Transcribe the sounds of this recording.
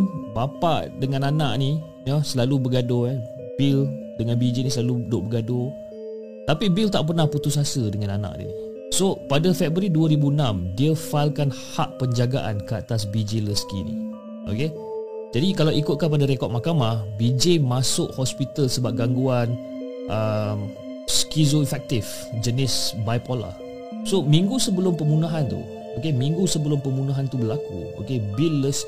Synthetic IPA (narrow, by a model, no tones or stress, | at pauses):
bapa̰ʔdəŋananaʔni | jəsəlalubəɡado | bil | dəŋanbid͡ʒenisəlaludoʔbəɡado | t̪apibilt̪aʔp̬ərnahput̪ʊs̬asədəŋanana̰ʔnḭ | sopadəfɛbəɾiduəɾibuənãmdiəfalkanhaʔpəɲd͡ʒaɡa̰ʔa̰nkəat̪as̬bid͡ʒeləskḭnḭ | ʔo̰ke | d͡ʒadikalawikʊt̪̚kanpadaɾɛkɔt̪̚makamahbid͡ʒemasʊʔhɔspit̪əlsəbap̚ɡaŋɡuan | ʔəm | skizoifɛk̚t̪if | d͡ʒənɪsbajpola̰h | somĩŋɡusəbəlʊmpəmunaɦant̪ṵ | okemĩŋɡusəbəlʊmpəmunaɦant̪ubəlakṵo̰kebilːəs